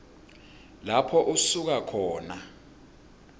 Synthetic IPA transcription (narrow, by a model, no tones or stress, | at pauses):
lapʰɔʔusuk̬akʰɔːna